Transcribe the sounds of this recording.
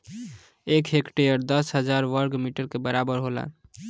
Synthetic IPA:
ekʰekʈejəɾd̪əsɦəd͡ʒaɾʋəɾɡmiʈəɾkebəɾabəɾɦola̰n

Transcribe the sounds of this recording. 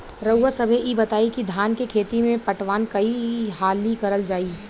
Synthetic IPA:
ɾɐwəsɐbʱeʔibɐt̪aːikid̪ʱaːnkekʰeːt̪imẽpɐʈʋaːnkɐiɦaːlikɐɾəld͡ʒaːiː

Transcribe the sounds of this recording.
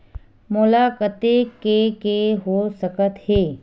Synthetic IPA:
mʊlaːkət̪ekekeɦosəkət̪heː

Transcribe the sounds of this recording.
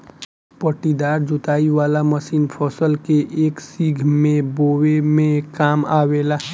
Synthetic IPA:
pəʈid̪aːɾd͡ʒʊt̪aːiʋaːlaməsiːnpʰɔːsəlkeʔeːksiɡʱmẽboːwemẽkaːmaːweːlaː

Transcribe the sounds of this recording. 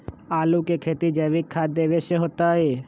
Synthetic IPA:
aːlukekʰeːt̪id͡ʒɛːʋɪkʰːaːd̪eːʋeʃəɦoːt̪aːɦeː

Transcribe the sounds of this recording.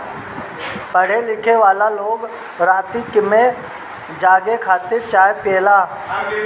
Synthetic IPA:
pəɽ̤elɪkʰeʋaːlaloːɡ | ɾaːt̪ikɪmẽ | d͡ʒaːɡekʰaːt̪ɪɾt͡ʃaːjepeːlaː

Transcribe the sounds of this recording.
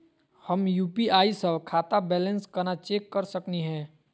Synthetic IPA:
hɐmjuːpiaːisəʋkʰaːt̪abɛːlə̃nskɐɾnat͡ʃeːkːɐɾsəkniɦɛ̃ː

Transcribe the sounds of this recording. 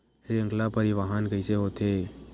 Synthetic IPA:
heə̃ŋɡlapəɾiʋaɦankəɪseɦoːt̪ʰeː

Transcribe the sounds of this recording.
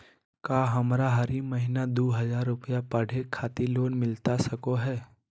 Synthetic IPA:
kaːɦɐmɾaɦɐɾimɐɦinad̪oːɦɐzaːɾːʊpəjapɐɽ̤ekʰːaːt̪iloːnmɪlt̪asɐkoɦɛː

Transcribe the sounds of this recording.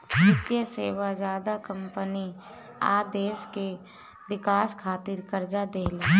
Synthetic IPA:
nɪt̪jəseːʋad͡ʒaːd̪akə̃mpəni | a̰ːd̪eːske | ʋɪkaːskʰaːt̪iɾkəɾd͡ʒad̪eːle

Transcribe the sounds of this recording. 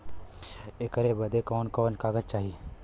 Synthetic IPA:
eːkəɾebɐd̪ekɔːnkɔːnkaːɡəd͡ʒt͡ʃaːɦie

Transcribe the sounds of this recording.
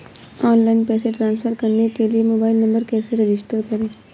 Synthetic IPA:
ɔːnlaːɪnpɛːseʈɾãːnsfʰəɾkɐɾnekeliemoːbaːɪlnɐ̃mbəɾkɛːseɾɪd͡ʒɪsʈəɾkɐɾẽː

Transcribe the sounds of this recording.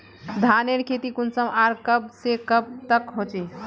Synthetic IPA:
d̪ʱaneɾkʰet̪ikunsəmʔaɾkəb̚sekəb̚t̪əkɦot͡ʃe

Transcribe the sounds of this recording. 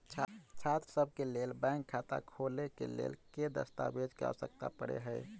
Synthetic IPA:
t͡ʃʰat̪ɾəsəb̚ʱkelelbɛ̃ɪŋkʰːat̪a̰kʰolekḛlḛːlked̪ə̰st̪a̰bed͡ʒka̰sək̚t̪a̰pəɽḛɦəɪ

